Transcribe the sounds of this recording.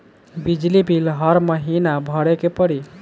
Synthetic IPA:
bid͡ʒlibʱilɦəɾməɦinabʱəɽekepəɽi

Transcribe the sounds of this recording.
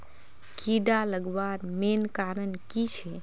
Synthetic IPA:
kiɖaləɡbaɾmenkaɾənkit͡ʃʰɛ

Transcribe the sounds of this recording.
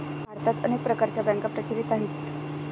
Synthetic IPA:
bʱaɾt̪at̪ə̰nek̚pɾəkaɾt͡ɕjabɛ̃ŋkapɾət͡ɕiɾit̪aɦit̪

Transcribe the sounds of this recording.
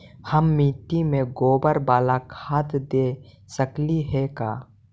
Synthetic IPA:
həmːiːt̪imẽɡoːbəɾbaːlakʰaːt̪d̪eː | səkliɦɛka̰ː

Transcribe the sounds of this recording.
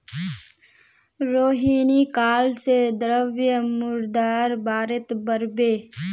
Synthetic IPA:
ɾoːɦiːnikaːlsed̪ɾəʋjəmʊɾd̪aːɾbaːɾet̪bəɾbeː

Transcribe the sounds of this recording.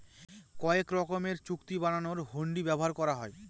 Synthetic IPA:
kɔekɾɔkomeɾt͡ɕukt̪ibananoɾɦoɳɖibɛboɦaɾkɔɾaɦɔe

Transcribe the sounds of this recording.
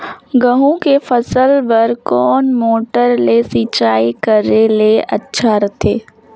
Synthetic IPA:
ɡəɦũkefɐsəlʋəɾkɔːnmoːʈəɾlesiːt͡ʃaːikəɾeleʔɐ̰tːʃʰaɾɐt̪ʰeː

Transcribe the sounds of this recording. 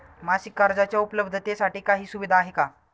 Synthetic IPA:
masikːaɾd͡zat͡ɕjaupələbd̪ʱət̪esaʈiːkaɦiːsuʋid̪ʱaːɦeka

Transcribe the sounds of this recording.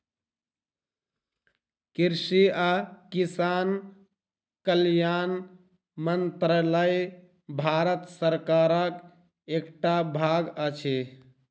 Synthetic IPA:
kiɾsiakisan | kəljan | mənt̪ɾələj | bʱaɾət̪səɾkaɾək | ekʈabʱaɡət͡ʃʰi

